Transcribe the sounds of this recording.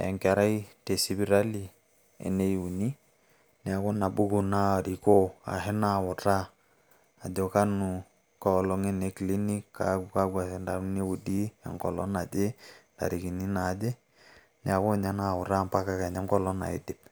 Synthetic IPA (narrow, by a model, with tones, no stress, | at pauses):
ɛ̰˨ŋkɛ˨ɾa˦i˦te˨si˦bi˦ɾa˦li˨ | ɛ̰˨ne˦ju˨ni˦ | nɛ˨˦a˨ko˦na˨bu˦ku˦na˦˨ɾi˨ko˦a̰˨ɦe˦na˦˨wʊ˨ta˦ | a˨d͡ʒɔ˨ka˦nu˨ | kɔ˦˨lɔ˦ŋɛ˦ne˨kli˦ni˦kːa̰ka˦ɡwa˨sɛ˨nda˨ɾne˦wu˨di˦a̰˨ŋkɔ̰˨lɔ̰˦na˨d͡ʒe˦da̰˨ɾi˨ki˨ni˦na˨˦d͡ʒe˦ | nɛ˨˦a˨ko˦˨ɲa˦na˦˨wʊ˨ɾa˦mpa˦ka˦ka˨ɲa˦ŋkɔ˦lɔ˦na̰˨i˦dɪ˨p̚